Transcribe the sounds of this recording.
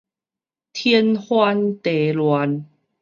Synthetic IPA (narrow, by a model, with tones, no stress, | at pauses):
t̪ʰɛ˧˦nhwa˧nt̪e˨˩lwa˨˦n